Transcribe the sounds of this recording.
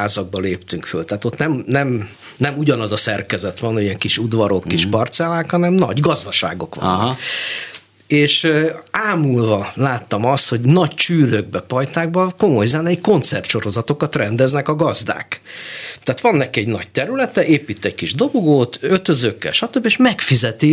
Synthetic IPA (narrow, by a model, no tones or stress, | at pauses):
aːzɒɡ̚bɒleːpt̪yŋkfølt̪aːt̪o̞t̪nɛmnɛm | nɛmuɟɒnɒzɒsɛrkɛzɛt̪ʋɒnoɟiɛŋkiʃud̪ʋɒɾo̞kːiʃpɒrt̪sɛlaːkhɒnɛmnɒ̰ɟɡɒzd̪ɒʃa̰ːɡo̞kʋɒ̰nːk | eːʃaːmulvɒlaːt̪ːɒmɒst̪ho̞ɟnɒct͡ʃyːɾøɡ̚bɛpɒjt̪aːɡ̚bɒko̞mo̞jzɛnɛiko̞nt̪sɛrt̪ʃo̞ɾo̞zɒt̪o̞kɒt̪rɛnd̪ɛznɛkɒɡɒzd̪a̰ːkt̪aːt̪ʋɒnːɛkiɛɟnɒɟ̚t̪ɛɾylɛt̪ɛʔeːpiːt̪ːɛc̚kiʒd̪o̞ɡoɡoːt̪øt̪øzøːkːɛ̰lʃɒt̪øbːieːʃmɛkfizɛt̪i